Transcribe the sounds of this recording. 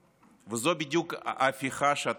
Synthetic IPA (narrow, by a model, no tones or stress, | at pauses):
vɨzobʲidʲukafʲiχaʃat̪